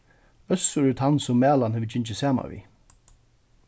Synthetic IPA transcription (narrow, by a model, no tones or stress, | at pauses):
œsʊɛɾt̪ʰansʊmːæːlanhɛːvət͡ʃɪɲt͡ʃɪsɛːma̰vḭ